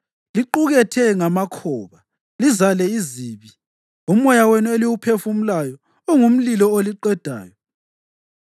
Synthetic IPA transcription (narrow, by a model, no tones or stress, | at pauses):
liǃuɣɛtʰɛŋamakʰɔβa | lizalɛiziːβi | um̩ɔjawenueliwupʰefum̩lajɔː | ŋum̩lilɔoliǃɛd̥ʱa̰ːjɔ